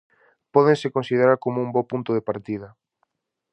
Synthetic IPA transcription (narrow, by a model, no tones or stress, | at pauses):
pɔðẽnsɪkonsiðeɾaɾkomoumbɔpunt̪oðepaɾt̪iðɐ